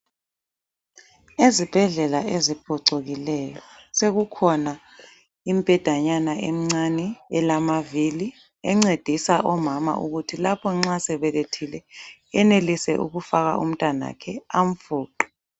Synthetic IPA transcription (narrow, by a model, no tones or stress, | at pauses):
ezib̥ʱɛɮɛlaezib̥ʱɔǀoɣilɛjɔseɣukʰɔna | im̩b̥ʼʱɛd̥ʱaɲanaʔem̩ŋ͡ǀanɛɛlamavili | ɛŋ͡ǀed̥ʱisaʔɔmama̰ʔuɣutʰilapʰɔŋ͡ǁasɛβɛletʰilɛɛnelisɛ̰ʔṵɣufaɣa̰ʔṵm̩tʼana̰kʰɛaɱ̩fuːǃɔ̥